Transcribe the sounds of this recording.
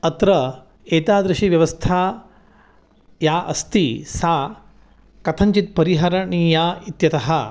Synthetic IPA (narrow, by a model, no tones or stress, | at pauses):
ɐt̪ɾɐ | eːt̪aːd̪ɾɐʃiʋjɐʋɐst̪ʰaː | jaːʔɐ̰st̪isaː | kɐt̪ʰɐɲt͡ʃit̪̚pɐɾiɦɐɾɐɳiːjaːit̪jɐt̪ɐɦɐ